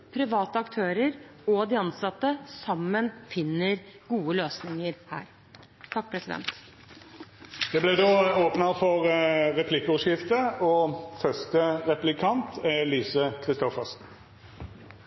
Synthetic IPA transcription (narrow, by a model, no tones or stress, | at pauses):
pʰɾɪʋɑːt̪əɑkt̪ʰøːɾəɾɔd̪ɪɑnsɑt̪ːəsɑmːənfɪnːəɾɡuːəløːsnɪŋəɾhæ̰ːɾ | t̪ʰɑk̚ːpʰɾɛsɪd̪ɛ̰nt̪ | d̪̥ɛblɛd̪oːoːpnəfɔʁʁɛpʰlɪkːəɔːʂjɪft̪əɔfœst̪əʁɛplɪkʰɑnt̪ʰɛliːsəkʰʁɪst̪ɔfəsn